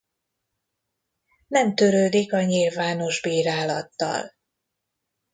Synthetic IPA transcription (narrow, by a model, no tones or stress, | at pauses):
nɛmt̪øɾøːd̪ikɒɲilvaːno̞ʒbiːɾaːlɒt̪ːɒ̰l